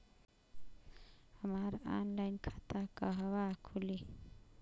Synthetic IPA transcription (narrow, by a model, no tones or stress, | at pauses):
hamaːɾa̰nlajnkʰḁt̪akaɦawakʰuli